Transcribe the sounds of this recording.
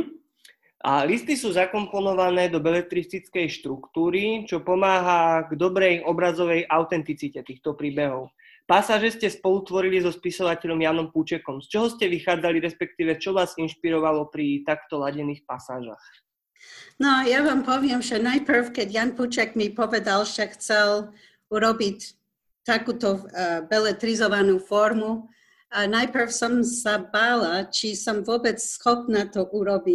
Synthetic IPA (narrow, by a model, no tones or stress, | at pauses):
alist̪isuːzakɔmpɔnɔʋanɛːd̪ɔbɛlɛt̪ɾit͡sit͡skɛjʃt̪ɾukt̪uːɾit͡ʃɔpɔmaːɦaɡd̪ɔbɾɛjʔɔbɾazɔʋɛjʔaʊt̪ɛnt̪it͡sicɛt̪iːxt̪ɔpɾiːbɛɦɔʊ | pasaːʒɛscɛspɔlut̪ʋɔɾilizɔspisɔʋacɛʎɔmjaːnɔmput͡ʃɛkɔmst͡ʃɔɦɔscɛʋixaːd͡zaliɾɛspɛk̚t̪iːʋɛt͡ʃɔʋaːzinʃpiɾɔʋalɔpɾit̪akt̪ɔlaɟɛniːxpasaːʒa̰x | nɔjaʋaːmpɔʋɪɛmʒɛnajpr̩fkɛɟjanput͡ʃɛɡmipɔʋɛd̪alʒɛxt͡sɛl | uɾɔbic | t̪akuːt̪ɔbɛlɛt̪ɾizɔʋanuːfɔɾmu | anajpr̩fsɔmsabaːlat͡ʃisɔmvʊɔbɛt͡ssxɔpnat̪ɔʔuɾɔbi